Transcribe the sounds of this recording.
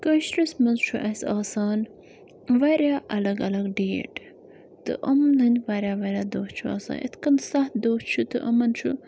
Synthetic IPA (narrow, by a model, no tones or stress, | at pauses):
kɐʃɾɐsmɐnzt͡ʃʰuʔɐsaːsaːn | ʋɐɾʲjaːʔɐlɐɡɐlɐɡɖeːʈ | t̪ɨ̰ʔɐmlɨnʲʋɐɾʲjaːʋɐɾʲjaːd̪oːt͡ʃʰua̰ːsa̰ːʔḭt̪ʰkɐnsɐht̪d̪oːt͡ʃʰut̪ɨʔɐmɐnt͡ʃʰu